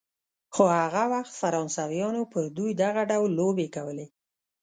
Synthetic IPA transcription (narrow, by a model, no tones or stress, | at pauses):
xohaɣawaxt̪faɾɑnsawjɑnopəɾd̪ujd̪aɣaɖawlːobekawəle